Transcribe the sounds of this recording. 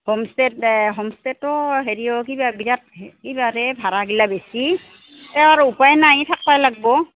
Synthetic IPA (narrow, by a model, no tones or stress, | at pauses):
homstɛtɦɔmstɛtɔɦeɹiɔkibabiɾat̚kibaɾɛbʱaɹaɡilabesi | tɛw̃aɹuupajnajtʰak̚pajlaɡ̚bɔ